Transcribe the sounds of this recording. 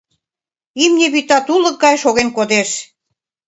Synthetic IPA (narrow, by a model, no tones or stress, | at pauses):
imnʲeβit̪ɑt̪ulə̆k̚ɡɑjʃoɣenkod̪eʃ